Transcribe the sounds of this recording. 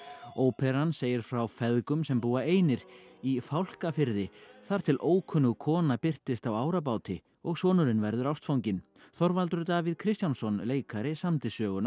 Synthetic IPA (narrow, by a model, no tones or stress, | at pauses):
oːwpʰɛɾanseːjɪɾ̥fɾawfɛðkʏmsɛmpuːaeːjnɪɾ̥ifawl̥kafɪɾðɪθaɾ̥t̪ʰɪlʔoːwkʰœnʏɣkʰɔːnapɪr̥t̪ɪst̪awaːwɾap̬aːwt̪ɪ | ɔɣsɔːnʏɾɪnvɛɾðʏɾawst̪fawɲcɪn | θɔɾvalt̪ʏɾt̪avɪðkʰɾɪst̪jawnsɔnleːjkaɾɪsamt̪ɪsœːɣʏna